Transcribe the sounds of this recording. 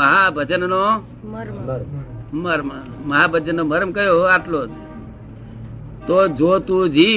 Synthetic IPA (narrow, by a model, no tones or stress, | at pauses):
əɦabʱəd͡ʒənːo | məɾma | məɦabʱəd͡ʒənːoməɾəmkəɦjoaʈlod͡ʒ | t̪od͡ʒot̪ũd͡ʒʱi